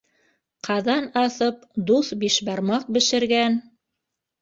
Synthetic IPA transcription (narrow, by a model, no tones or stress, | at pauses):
qʰɑðɑnɑθɤp̚d̪uθbiʃbɑɾmɑq̚bɘ̆ʃɘ̆ɾɡæn